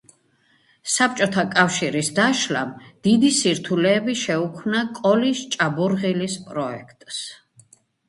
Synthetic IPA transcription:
sap̚ʰt͡ʃʼɔt̪ʰakʼafʃiɾisd̪aʃla̰md̪̥id̪isiɾt̪ʰulɛːbiʃɛukʰmnakʼɔlist͡ʃʼabuɾʁilispʼɾɔɛ̰kʰt̪ʼs

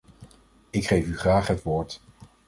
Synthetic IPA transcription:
ɪkχejfyχraːχɦətʋoːɹt

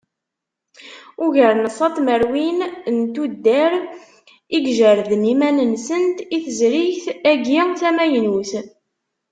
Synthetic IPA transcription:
ʊʝəɾnəsˤɑt̪ˤməɾwinnt̪ud̪ːəɾ | iɡʒəɾðnimænənsənt̪iθəzɾiçθæɡiθæmæjnuθ

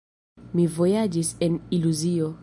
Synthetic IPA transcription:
mivo̞jad͡ʒiseniluzio

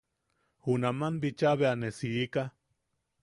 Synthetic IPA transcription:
hunamanbit͡ʃaβeanesiika

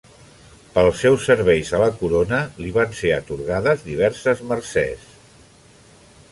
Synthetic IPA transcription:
pəlˠsːɛwsːəɾβ̞ɛjzələkuɾonəliβanseət̪uɾɣaðəzðiβ̞ɛɾsəzmərsɛ̰s

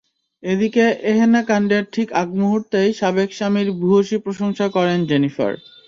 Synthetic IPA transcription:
ed̪ikeʔeɦenakaɳɖeɾʈʰikaɡmuɦuɾt̪ejʃabekʃamiɾbʱuɦoʃipɾoʃoŋʃakɔɾend͡ʑenifa̰ɾ

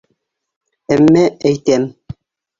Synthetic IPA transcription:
æmːææjt̪æm

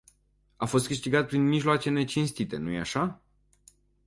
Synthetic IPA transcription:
afo̞s̬t̪̚kɨʃt̪iɡat̪̚pɾinmiʒloat͡ʃe̞ne̞t͡ʃinst̪it̪e̞nuje̞aʃa

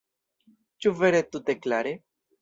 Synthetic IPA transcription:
t͡ʃuveɾet̪ut̪eklaɾe

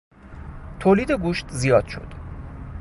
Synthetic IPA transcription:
t̪ʰoːliːd̪e̞ɡuːʃt̪ʰzijɒːd̪̥ʃo̞̰d̪̥

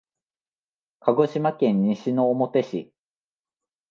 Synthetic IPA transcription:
kʰaɡo̞ɕimakẽ̞ɲ̟ːiɕino̞ːmo̞t̪e̞ɕḭ

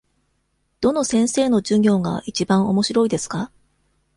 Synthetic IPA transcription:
d̪̥o̞no̞sẽ̞ɰ̃se̞ːno̞d͡ʑɨŋʲo̞ːɡa̰ʔit͡ɕibãɰ̃o̞mo̞ɕiɾo̞id̪e̞sɨ̥ka

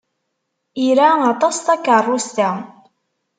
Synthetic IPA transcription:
iɾaɑt̪ˤɑst̪ɑkərˤːust̪æ

